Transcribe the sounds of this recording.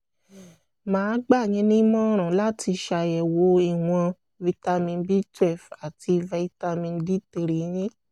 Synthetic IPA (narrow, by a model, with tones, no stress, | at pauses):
mãː˨˦ɡ͡ba˦˨ɲ̃ĩ˨˦nĩ˦mɔ̃˦ɾ̃ã˨la˦ti˧ʃa˨jɛ˨wo˨˦i˦˨w̃ɔ̃˧ | vi˧ta˧mĩ˧nbi˦tɛ˦˨fa˨ti˧vɛ˧i˧ta˧mĩ˧nbi˦te˧˨ɾi˨˦jĩ˦